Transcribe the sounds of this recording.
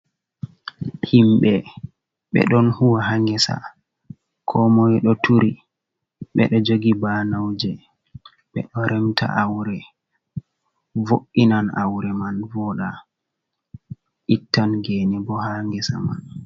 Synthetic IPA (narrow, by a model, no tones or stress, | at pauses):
himɓɛ | ɓɛ̰ɗɔnhuwaɦaŋɡɛsa̰ | kʰɔmɔjɗɔtʰuɾi | ɓɛ̰ɗɔd͡ʒoɡibanawd͡ʒɛ | ɓɛ̰ɗɔɾʔɛmtʰa̰ʔawɾɛ | voʔːinana̰wɾɛmanvɔɗa | ʔitːanɡenibɔhaŋɡɛsa̰ma̰n